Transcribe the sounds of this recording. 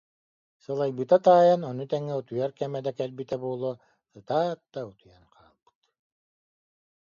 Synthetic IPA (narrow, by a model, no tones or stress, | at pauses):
sɯlˠajbɯt̪at̪aːjanɔnut̪ɛŋːɛut̪ujaɾkɛmɛd̪ɛkɛlbit̪ɛbuːlˠoː | sɯt̪aːt̪̚d̪aut̪ujanqʰaːlˠb̥ɯ̥t̪